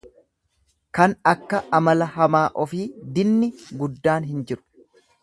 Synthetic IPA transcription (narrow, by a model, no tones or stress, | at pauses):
kɐnɐkːɐʔɐmɐlɐɦɐmaːʔɔfiːd̪ɪnːɪɡʊd̪ːaːnɦɪnd͡ʒɪɾʊ̥